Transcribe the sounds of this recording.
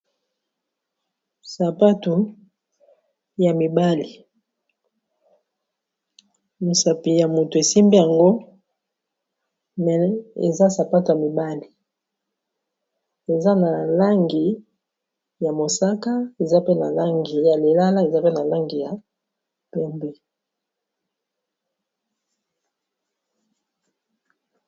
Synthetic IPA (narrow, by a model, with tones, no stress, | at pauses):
sa˨pa˦tu˨ | ja˨mi˨ba˦li˨ | mo˨sa˨pi˨ja˨mo˨to˨e˨si˦mbi˦ja˨ŋɡo˦ | mɛ˨ḛ˨za˦sa˨pa˦tu˨ja˨mi˨ba˦li˨ | e˨za˦na˨la˦ŋɡi˨ | ja˨mo˨sa˦ka˦e˨za˦pe˦na˨la˦ŋɡi˨ja˨le˨la˦la˦e˨za˦pe˦na˨la˦ŋɡi˨ja˨ | pɛ˦mbɛ˦